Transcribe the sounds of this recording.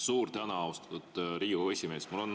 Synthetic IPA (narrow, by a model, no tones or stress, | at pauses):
suːrt̪ænɑɑwst̪ɑ̥t̪ud̪̥ɾiːue̞sʲime̞ːsmulo̞n